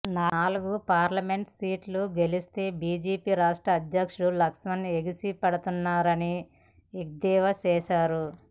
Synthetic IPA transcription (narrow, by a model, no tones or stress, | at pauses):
naːaːluɡupaːɾlɐme̞ɳʈsiːʈluɡe̞list̪e̞ːbiːd͡ʒeːpiːɾaːʂʈɾɐːd̪jɐkʂuɽulɐksmɐneɡisipɐɽɐt̪unːaːɾɐni | iɡ̚d̪ɛːʋɐt͡ʃɛːʃaːɾu